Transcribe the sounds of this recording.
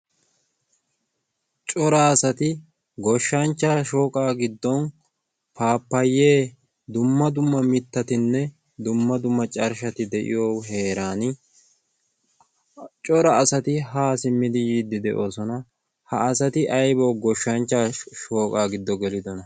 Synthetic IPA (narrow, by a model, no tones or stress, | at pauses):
t͡ʃʼɔɾaːsɐt̪ɪ | ɡɔʃːɐnt͡ʃːaːʃoːkʼaːɡɪd̪ːɔn | paːpːɐjːe̞ː | d̪ʊmːɐd̪ʊmːɐmɪt̪ːɐt̪ɪnːɛ | d̪ʊmːɐd̪ʊmːɐt͡ʃʼɐɾʃɐt̪ɪd̪ɛʔɪ̰joːɦe̞ːɾaːnɪ | t͡ʃʼɔɾɐːsɐt̪ɪɦaːsɪmːɪd̪ɪjiːd̪ːɪd̪ɛʔo̞ːsɔnɐ | hɐːsɐt̪ɪʔɐjbɔwɡɔʃːɐnt͡ʃːaːʃo̞ːkʼaːɡɪd̪ːɔɡɛlɪd̪ɔnɐ